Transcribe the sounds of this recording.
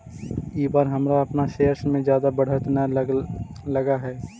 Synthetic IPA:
iːbaːɾɦɐmɾaɐpnaʃeːəɾsmẽzjaːd̪abɐɽ̤ət̪na | lɐɡaɦɛː

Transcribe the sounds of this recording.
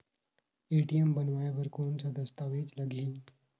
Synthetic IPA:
eːʈijembənʋaːeʋəɾkoːnsad̪əst̪aːʋeːd͡ʒləɡʱĩː

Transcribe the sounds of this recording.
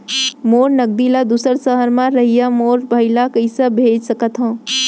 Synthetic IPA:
moːɾnəɡ̚d̪ilad̪uːsəɾsəɦəɾmãɾɐɦijamoːɾbʱɐɪlakəɪsəbʱeːd͡ʒsəkət̪ɦõː

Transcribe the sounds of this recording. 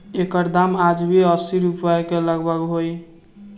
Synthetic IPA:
ekəɾd̪amad͡ʒbiəsiɾupəekeləɡbəkɦoj

